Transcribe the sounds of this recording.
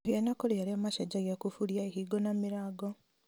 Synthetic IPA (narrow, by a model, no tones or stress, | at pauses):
hjanakolejaliamaʃaɟaɡakufuljaeɦiɡonamiɾaːɡo